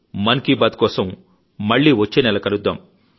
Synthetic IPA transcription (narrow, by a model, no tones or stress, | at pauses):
mɐnkiːbaːd̪kɔːsɐmː | ɐɭːiːʋɐt͡ʃːeːnɛlɐkɐlud̪ːaːm